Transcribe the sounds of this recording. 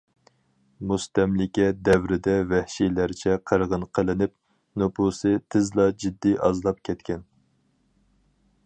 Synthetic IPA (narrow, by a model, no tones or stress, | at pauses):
must̪ɛmlɪkʲɛd̪ɛvɾɪd̪ɛvɛhʃijlæɾt͡ʃʰɛqʰəɾʁənqʰəlˠɨnɪp̚ | nopʰusɨt̪ʰɪzlˠɑd͡ʒid̪ːiɑzlˠɑp̚kʲʰɛt̪kʲʰɛn